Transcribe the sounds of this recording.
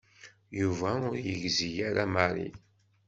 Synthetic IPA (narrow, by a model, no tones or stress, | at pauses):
juvæʊɾjəʝzijæɾamaɾḭ